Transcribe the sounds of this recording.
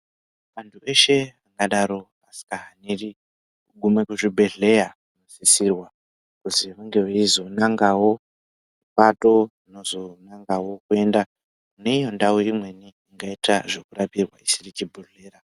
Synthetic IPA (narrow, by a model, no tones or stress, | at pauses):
ʋantʰuʔe̞ʃe̞aŋɡaɗaɾo̞ | asi̥kaɦaniri | uɡʱumekuʐibʱe̞ɮe̞ja | uno̞sisirwa | kuziʋaŋɡe̞ʋeizo̞naŋɡawo̞ | mipato̞ino̞zo̞naŋɡawo̞kue̞nda | kune̞ijo̞ndauɾimwe̞niːŋɡaitaʐo̞kurapirwa̰isirit͡ʃibʱuɮeːra